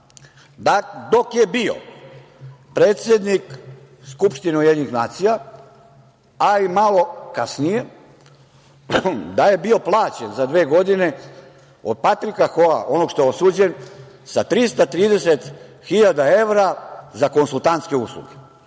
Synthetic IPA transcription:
ad̪o̞kje̞bio̰ | pɾeːt̪sʲjed̪nik | skupʃt̪ineujed̪ʲenixnaːt̪sija | aimalo̞kasnije̞ | d̪aje̞bio̞plˠaːt͡ɕenzad̪ʋe̞ːɡo̞d̪ine̞ | od̪̚pat̪ɾikaxoa̰ʔo̞no̞ɡʃt̪o̞jeosuːd͡ʑe̞n | sat̪ɾist̪at̪ɾiːd̪e̞set̪ | xiʎad̪ae̞ʋɾazako̞nsulˠt̪ant̪ske̞uslˠṵɡe

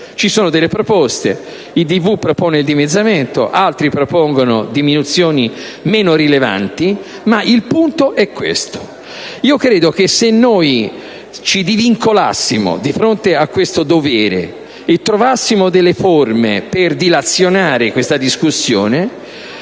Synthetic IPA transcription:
t͡ʃisoːnod̪elːepɾopɔst̪e | id̪ivupːɾopoːneild̪imed̪zːament̪o̰ʔalt̪ɾipɾopoŋɡonod̪iminut̪sjoːni | meːnoɾileva̰nt̪i | maʔilpunt̪oʔɛkːwḛst̪o̥ | iːokɾeːd̪ok̟esenːoj | t͡ʃid̪iviŋkola̰sːimo̰d̪ifɾont̪eakːwest̪od̪ovɛːɾḛ | et̪ːɾovasːimod̪elːeformḛperd̪ilat̪sːjonaːɾekwest̪ad̪iskusːjo̰ːne

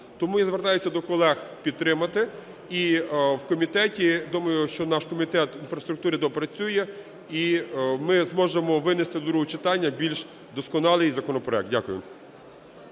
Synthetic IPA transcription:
t̪ɔmujazʋert̪ɑjʊsʲɐd̪ɔkɔlˠɛxpʲid̪̚t̪ɾɪmɐt̪ɪ | iwkɔmʲit̪ɛtʲid̪umɐjʊʃt͡ʃɔnɑʃkɔmʲit̪ɛt̪infɾɐst̪ɾʊk̚t̪uɾɪd̪ɔpɾɐt͡sʲujɛ | imɪzmɔʒemɔʋɪnɪst̪ɪd̪d̪ɾuɦɔt͡ʃɪt̪ɑnʲːɐbʲilʲʃ | d̪ɔskɔnɑlˠɪjzɐkɔnɔpɾɔɛk̪̚dʲakʊjʊ̰

